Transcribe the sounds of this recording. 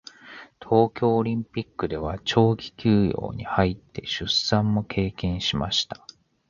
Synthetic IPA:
t̪ʰo̞ːkʲo̞ːɾʲĩmpʲikːɯ̟d̪e̞β̞at͡ɕo̞ːkʲi̥kʲɨːjo̞̰ːɲ̟ihait̪ːe̞ɕɨsãmːo̞kʰe̞ːkẽ̞ɰ̃ɕimaɕi̥t̪ḁ

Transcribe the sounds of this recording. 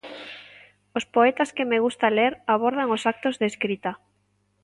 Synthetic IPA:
ospoet̪askɪmeɣust̪aleɾaβ̞oɾð̞aŋosak̚t̪ozðeskɾit̪a

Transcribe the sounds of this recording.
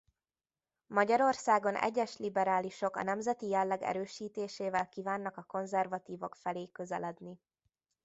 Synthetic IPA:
mɒɟɒɾo̞rsaːɡo̞nɛ̰ɟːɛʃlibɛɾaːliʃo̞kɒ̰nɛmzɛt̪ijɛlːɛɡɛ̰ɾøːʃiːt̪eːʃeːvɛlkiːvaːnːɒkɒko̞nzɛrvɒt̪iːvo̞kfɛleːkøzɛlɛd̪ni

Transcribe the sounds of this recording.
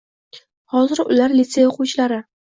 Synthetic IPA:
hɒzɪɾʊlaɾlit̪sejaoqʰuwt͡ʃʰɪlaɾɪ

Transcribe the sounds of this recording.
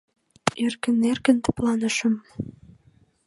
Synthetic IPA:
erkə̆nːerkə̆nt̪ə̥̆plɑnə̆ʃə̆m

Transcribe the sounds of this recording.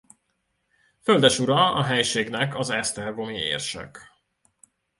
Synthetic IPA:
føld̪ɛʃuɾɒɒɦɛjʃeːɡnɛkɒzɛst̪ɛrɡo̞miḛːrʃɛ̰k

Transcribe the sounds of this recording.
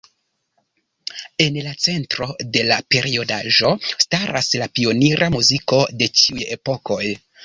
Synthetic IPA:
e̞nlat͡se̞ntɾo̞de̞lape̞ɾio̞daʒo̞staɾa̰slapio̞niɾʔamuziko̞de̞t͡ʃiuje̞po̞ko̞j

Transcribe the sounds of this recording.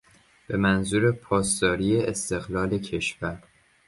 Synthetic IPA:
b̥e̞mænzuːɾe̞pʰɒːst̪ɒːɾiːjeest̪e̞ɣlɒːle̞cʰe̞ʃvæɾ

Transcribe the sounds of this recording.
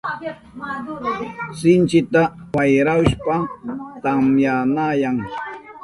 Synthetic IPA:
sɪnt͡ʃɪt̪awajɾawʃpat̪amjanajaŋ

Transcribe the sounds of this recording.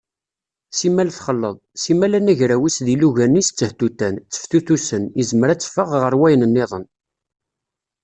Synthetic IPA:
simælθχəlːəðˤsimælænæʝɾæwisðiluʝænːist͡sːəht̪ut̪ːænt͡sːə̥fθuθusənizəməɾæt͡sːfəʁʁəɾwæjənənːeðˤə̰n

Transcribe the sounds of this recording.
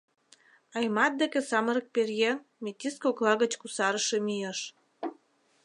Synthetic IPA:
ɑjmɑt̪̚d̪ekĕsɑməɾə̆k̚perjeŋmet̪ʲiskoklɑɣət͡ɕkusɑɾəʃemijəʃ

